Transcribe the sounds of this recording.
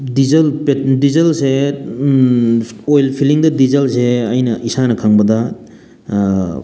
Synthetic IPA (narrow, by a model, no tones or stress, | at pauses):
dizɐlpedizɐlse | ojlpʰiliŋdɐdizɐlseɐjnɐʔisanɐkʰaŋbɐdɐ